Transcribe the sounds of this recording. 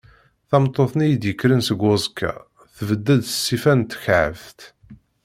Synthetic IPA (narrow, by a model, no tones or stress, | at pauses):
θɑmt̪ˤːoθˤnijid̪jəkːɾənsəɡʊzˤkʰːa̰ | θvəd̪ːæd̪ə̥sːifænt̪ːçʕə̰vt̪